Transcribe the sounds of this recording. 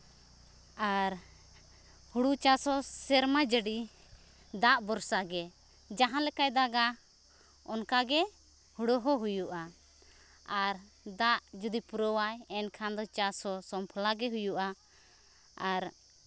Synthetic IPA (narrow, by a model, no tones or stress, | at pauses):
aɾ | huɽut͡ʃasɔsɛɾmad͡ʒəɖi | d̪aʔbɔɾsaɡɛ | d͡ʒaɦãlɛkajd̪aɡa | ɔnkaɡɛ | huɽɔɦɔɦujuʔa | aɾ | d̪aʔd͡ʒud̪ipuɾɔwajɛnkʰand̪ɔt͡ʃasɔsɔmpʰɔlaɡɛɦujuʔa | aɾ